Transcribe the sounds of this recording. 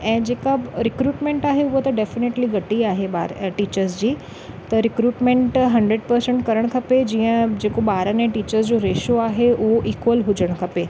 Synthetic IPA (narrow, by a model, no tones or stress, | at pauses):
ɛ̃ːd͡ʑeːkaɾɪkɾuːʈmẽɳʈaːɦeʊɦot̪ɐɖefɪneːʈliɡɐʈiaːɦebaɾʈiːt͡ɕəɾzd͡ʑiː | t̪ɐɾɪkɾuːʈmẽɳʈɦɐ̃ɳɖɾeɖpəɾsə̃ɳʈkɐɾəɽ̃kʰɐped͡ʑiːə̃d͡ʑeːkoɓaːɾənẽʈiːt͡ɕəɾsd͡ʑoɾeːʃoaːɦeʊɦoʔiːkwəlɦʊd͡ʑəɽ̃kʰɐpe